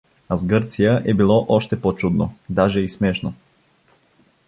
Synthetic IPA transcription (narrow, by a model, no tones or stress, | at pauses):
azɡəɾt̪sijaʔɛbilˠɔʔɔʃt̪ɛpot͡ʃud̪nod̪aʒɛismɛʃno